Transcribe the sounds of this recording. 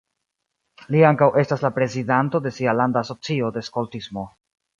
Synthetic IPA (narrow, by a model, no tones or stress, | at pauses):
liaŋkawʔe̞staslapɾe̞zidanto̞de̞sialandaso̞t͡sio̞de̞sko̞ltismo̞